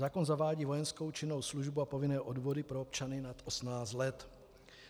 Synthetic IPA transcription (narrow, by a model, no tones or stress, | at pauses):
aːko̞nzavaːɟiːvo̞jɛnsko̞wt͡ʃɪnːo̞wsluʒbuapo̞vɪnɛːʔodvo̞dɪpɾoop̚t͡ʃanɪnat̪ʔosmnaːt͡st̪lɛt̪